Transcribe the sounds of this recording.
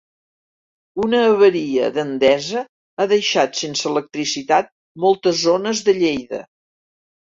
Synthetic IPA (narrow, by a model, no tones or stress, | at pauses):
unəːβəɾiə̰ðənd̪ɛzə | aðəjʃat̪sensəələk̚t̪ɾisit̪at̪̚ | mɔlˠt̪əzonəzðəʎejðə̰